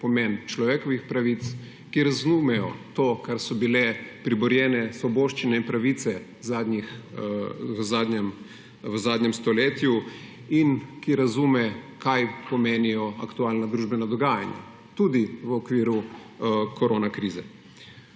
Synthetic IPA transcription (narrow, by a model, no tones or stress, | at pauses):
pɔmɛnt͡ʃlɔʋeːkɔʋixpɾaʋit̪s | kiɾazumɛjɔ̰t̪oːkaɾsɔbilɛpɾibɔɾjɛːnɛsʋɔboːʃt͡ʃinɛinpɾaʋit̪sɛ | zaːd̪nix | əzaːd̪ɲɛm | ʋəzaːd̪ɲɛmst̪ɔleːt̪ju | inkiɾazuːmɛ | kʰajpɔmeːnijɔa̰kt̪ualnad̪ɾuʒbɛnad̪ɔɡaːja̰nja̰ | t̪ud̪iʋəɔkʋiːɾu | kɔɾoːnakɾiːzɛ